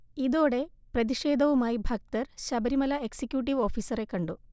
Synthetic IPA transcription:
iðo̞ːɽe̞prɐðiʂe̞ːd̪ʱɐʋumaːjibʱɐk̚t̪ɐrɕɐbɐɾimɐlɐeksikːjuːʈ̬ːiʋo̞ːfiːsɐɾe̞kːɐɳɖu

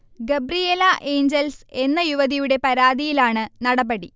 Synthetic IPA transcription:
ɡebrijelɐʔe̞ːɲd͡ʑelse̞nːɐjuʋɐðijuɽe̞pɐɾaːðijilaːɳɨnɐɽɐbɐɽi

